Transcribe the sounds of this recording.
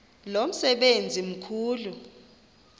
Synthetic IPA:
lom̩sɛɓend͡zʱim̩kʰuːlu

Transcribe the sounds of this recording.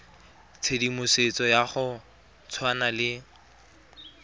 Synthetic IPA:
t͡sʰedimʊset͡sɔjaχʊ | t͡sʰwanalɪ

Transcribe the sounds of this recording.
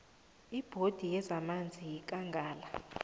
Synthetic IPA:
ib̥ʱod̥ʱijɛzamand͡zʱijk̬ʼaŋɡʱaːla

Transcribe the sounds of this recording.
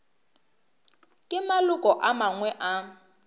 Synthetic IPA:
kʼɪmalʊkʼɔʔamaŋwɛʔa

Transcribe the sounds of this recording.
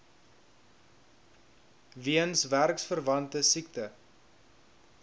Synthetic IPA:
viənsværksfərvɐntəsiktə

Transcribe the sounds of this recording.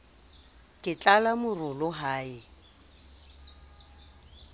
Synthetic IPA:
kʼɪt͡ɬʼalamʊrʊlʊɦaːɪ

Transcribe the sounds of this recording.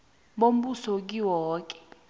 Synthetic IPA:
ɓom̩ɓusɔk̬iwɔːk̬ɛ̥

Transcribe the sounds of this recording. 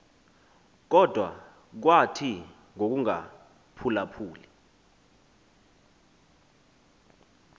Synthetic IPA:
k̬ɔd̥ʱwa̰ | k̬watʰi | ŋok̬uŋa̰ | pʰulapʰuːli

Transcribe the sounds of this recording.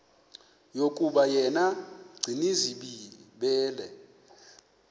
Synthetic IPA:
jokʼuɓajɛnaɡ͡ǀʱiniziɓiɓɛːlɛ

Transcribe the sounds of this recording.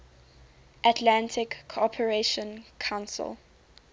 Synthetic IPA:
ʔatʰlãntʰɪkʰːoɔpʰəɹeʃə̃nkʰãʊ̃nsɪ̰l

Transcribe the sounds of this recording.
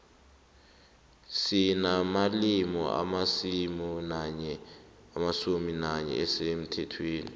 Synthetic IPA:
sinamalimɔ̰a̰masimunɲɛ | amasuminaɲɛ̰ɛsem̩tʰɛtʰweːnḭ

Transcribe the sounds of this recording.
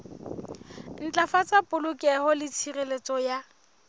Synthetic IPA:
n̩t͡ɬʼafat͡sapʼʊlʊkʼɛhɔlɪt͡sʰirelet͡sʼɔja

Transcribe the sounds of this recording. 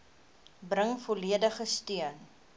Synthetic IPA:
brəŋfoliədəχəstiən

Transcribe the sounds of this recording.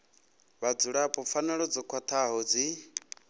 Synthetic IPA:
βad͡zuɺapʼɔfanaɺɔd͡zɔkʰwat̪ʰaɦɔd͡zi

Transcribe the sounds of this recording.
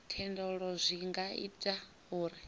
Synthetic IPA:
tʰɛndɔɺɔzʷiŋɡaḭtʼa | uːɾi

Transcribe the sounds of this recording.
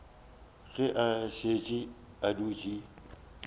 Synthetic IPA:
ɣɪʔaʃeːt͡ʃʼi | aduːt͡ʃʼi

